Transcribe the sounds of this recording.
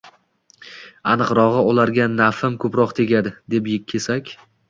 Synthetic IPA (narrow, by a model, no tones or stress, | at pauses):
anɨqɾɒʁɨʊlaɾɡʲanafɪmkʰɵpɾɒqt̪ʰe̞ɡʲad̪ɪd̪e̞pjɪkʲʰːesakʲ